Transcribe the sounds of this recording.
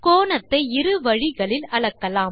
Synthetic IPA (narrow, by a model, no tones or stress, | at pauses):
koːnɐt̪ːɐɪɪɾɯʋɐɻɪɣɐɭɪlɐɭɐkːɐlaːm